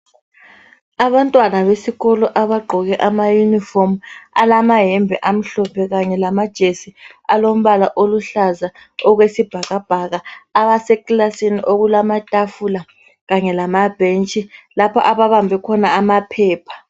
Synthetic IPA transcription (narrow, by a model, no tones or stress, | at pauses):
aβantʼwanaβesiɣɔlɔʔaβaɡ͡ǃʱɔɣɛʔamajunifɔma̰lamaɦɛmbʱɛʔam̩ɬɔpʰɛɣaɲɛlamad̥ʒ̥ʱesialom̩βalaʔoluɬaza | ɔɣwesib̥ʱaɣab̥ʱaɣaːβasɛkʼlasiniʔoɣulamatʼafula | ɣaɲɛlamab̥ʱent͡ʃʼilapʰɔʔaβaβambʱɛkʰɔnaːmapʰɛːpʰḁ